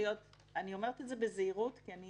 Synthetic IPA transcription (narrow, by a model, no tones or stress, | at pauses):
ijo̞t̚ | anio̞me̞ʁetetzebezeiʁutkiani